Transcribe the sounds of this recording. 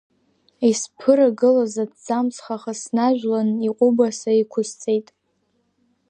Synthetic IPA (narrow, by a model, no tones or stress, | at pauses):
ispʰɨɾaɡɨlazadd͡zamsχaχasnaʒᶣʷlaniqʷʼʊbasaikʷʰʊst͡sʼe̞jtʼ